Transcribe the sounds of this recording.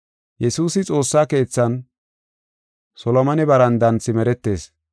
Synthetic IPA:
jɛsuːsɪt͡sʼo̞ːsːaːke̞ːt͡sːɐn | sɔlɔmɐnɪbɐɾɐnd̪ɐnt͡sːɪmɛɾɛt̪ːe̞ːs

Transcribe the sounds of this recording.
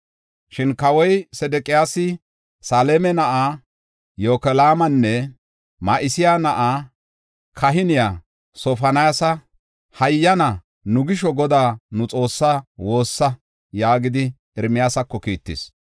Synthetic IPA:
ʃɪnkɐwɔjsɛd̪ɛkʼɪjaːsɪ | saːlemɛnɐʔa | joːkɛlaːmɐnːɛ | maʔɪsɪjaːnɐʔaː | kʰɐɦɪnɪjaː | sɔfɐnɐasɐ | hɐjːɐnɐ | nʊɡɪʃɔɡɔd̪aːnʊt͡sʼo̞ːsːawo̞ːsːɐ | jaːɡɪd̪ɪ | ɪɾmɪjaːsɐkːɔkiːt̪ːɪ̰s

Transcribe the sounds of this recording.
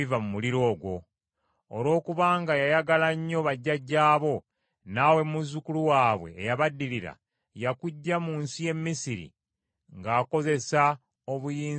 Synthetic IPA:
ivamumuliɾo̞ːɡwo̞ː | lwo̞ːkuβaːŋɡajajaɡalaɲːo̞βaɟːaɟːaːβo̞ | naːwe̞muzukuluwaːβwe̞̰ːjaβadːiliɾa̰ | jakuɟːamuːnsije̞mːisiɾḭ | ŋɡaːko̞ze̞sa | oβujiː

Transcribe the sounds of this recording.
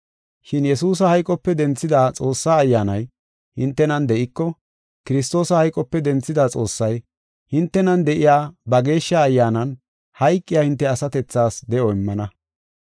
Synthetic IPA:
ʃɪnjɛsuːs̬ɐhɐjkʼɔpːɛd̪ɛnt͡sːɪd̪aːt͡sʼo̞ːsːaːjːaːnɐj | hɪnt̪ːɛnɐnd̪ɛʔɪkːɔ | kɪɾɪs̬t̪o̞ːsɐhɐjkʼːɔpːɛd̪ɛnt͡sːɪd̪aːt͡sʼo̞ːsːɐj | hɪnt̪ːɛnɐnd̪ɛʔɪjaːbɐɡe̞ːʃːɐːjːaːnɐn | hɐjkʼːɪjaːhɪnt̪ːɛɐsɐt̪ɛt͡sːaːsd̪ɛʔɔɪmːɐnɐ

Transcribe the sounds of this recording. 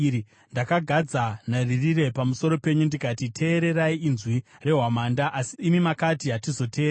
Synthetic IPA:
ndakaɡʱad͡zanaririɾe̞pamuso̞ɾo̞pe̞ɲundikatitʰe̞ːɾe̞ɾaiːnzwire̞ɦwamandaʔasiːmimakatiɦatizo̞tʰe̞ːɾ

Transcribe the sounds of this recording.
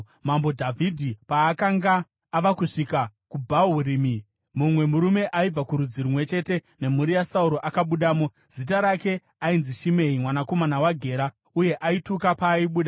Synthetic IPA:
mambo̞dʱavʱidʱipaːkaŋɡaː | ʋakuʂikakubʱaoɦuɾiːmi | mumwe̞muɾume̞ʔaib͡vakuɾud͡ziɾumwe̞t͡ʃe̞te̞ne̞muɾijasauɾo̞ʔakaɓuɗaːmo | z̥it̬aɾake̞ | ainziʃime̞imwanako̞manawaɡʱe̞ːɾa | uje̞ʔaitukapaːiɓuːɗa

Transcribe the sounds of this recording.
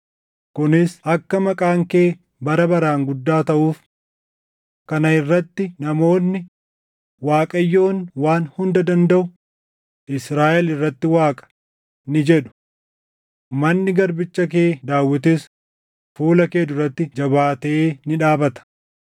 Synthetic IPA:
kʊnɪsɐkːɐmɐkʼaːŋke̞ː | bɐɾɐbɐɾaːŋɡʊd̪ːaːt̪ɐʔuːf | kɐnɐɪrːɐt̪ːɪnɐmo̞ːnːɪ | waːkʼɐjːo̞ːnwaːnhʊnd̪ɐd̪ɐnd̪ɐʔʊ | ʔɪsɾaːʔɛlɪrːɐt̪ːɪwaːkʼɐ̥ | nɪd͡ʒɛɗʊ̥ | mɐnːɪɡɐɾbɪt͡ʃːɐk̬eːd̪aːwːɪt̪̬ɪs | fuːlɐkeːd̪ʊrːɐt̪ːɪd͡ʒɐbaːt̪ɐʔeːnɪᶑaːbɐt̪ɐ̥

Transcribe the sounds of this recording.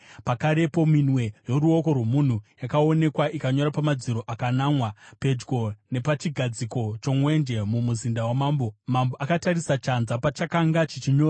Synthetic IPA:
pakaɾe̞po̞minwe̞jo̞ɾuo̞ko̞rwe̞mun̤ujakao̞ne̞kwaʔikaɲo̞ɾapamad͡ziɾo̞ʔakanamwape̞d͡ʒɡo̞ne̞pat͡ʃiɡʱad͡ziko̞t͡ʃo̞mwe̞nd͡ʒe̞mumuzindawamaːmbomamboʔakataɾisat͡ʃanzapat͡ʃakaŋɡat͡ʃet͡ʃiɲo̞ːra

